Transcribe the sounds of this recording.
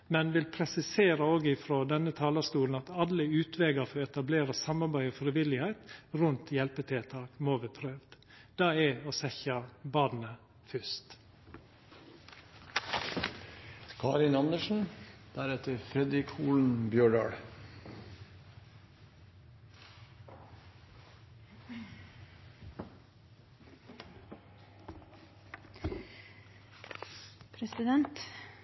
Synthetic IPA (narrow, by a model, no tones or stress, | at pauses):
mɛnʋɪlpʰɾɛsɪseːɾəoːɡɪfɾoːd̪ɛnət̪ʰɑːlɑst̪uːln̩ɑt̪ɑləʉːt̪ʰʋɛːɡəfɔɛt̪ɑbleːɾəsɑmɑɾbæɪoːfɾɪʋɪlɪhæɪt̪ɾʉnt̪jɛlpət̪ʰɪt̪ʰɑːkmoːʋəpʰɾøːʋd̪ | d̪̥ɑːɛoːsɛçɑbɑːd̪nə | fʏst̪ | kʰɑːɾɪnɑnd̪əʃn̩d̪̥æɾɛt̪əɾfɾɛd̪ɪkʰuːln̩bjøːɖɑ̰ːɽ | pʰɾɛsɪd̪ɛnt̪